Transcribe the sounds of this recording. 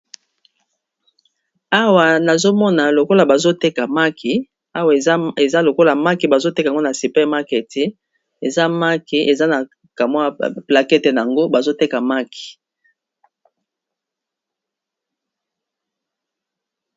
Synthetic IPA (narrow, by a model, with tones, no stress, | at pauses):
a˦wa˨na˨zo˦mɔ˦na˨lo˨ko˦la˨ba˨zo˦te˦ka˨ma˦kʰi˨ | a˦wa˨˦e˨za˦lo˨ko˦la˨ma˦ki˨ba˨zo˦te˦ka˨ŋɡo˦na˨si˨pɛ˦ma˦ke˨ti˦ | e˨za˦ma˦ki˨ʔe˨za˦na˨ | ka˨mwa˦pla˨kɛ˦te˨na˨a˨ŋɡo˦ba˨zo˦te˦ka˨ma˦kʰi̥˨